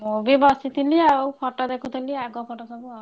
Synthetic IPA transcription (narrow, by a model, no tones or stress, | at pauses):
mobibɔsit̪ʰiliawpʰɔʈɔd̪ekʰut̪ʰiliaɡɔpʰɔʈɔsɔbua